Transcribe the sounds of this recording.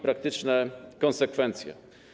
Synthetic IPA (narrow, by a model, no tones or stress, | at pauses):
pɾak̚t̪ɘt͡ʂnɛkɔnsɛkfɛnt̪sʲjɛ̰